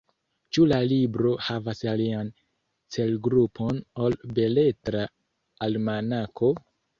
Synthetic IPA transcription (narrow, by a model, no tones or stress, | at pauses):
t͡ʃulalibɾo̞havasalian | t͡se̞lɡɾupʰo̞no̞lbe̞le̞tɾaː | lmanakʰo̞